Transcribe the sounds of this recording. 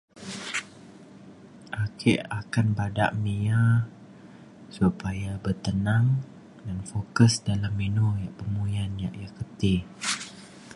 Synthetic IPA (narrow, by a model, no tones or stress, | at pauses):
ʔakʰɪʔakanbada̰ʔmija | supajabərt̪ənaŋ | danfokəsdalamːinujaʔpəmujanja̰ʔjakət̪i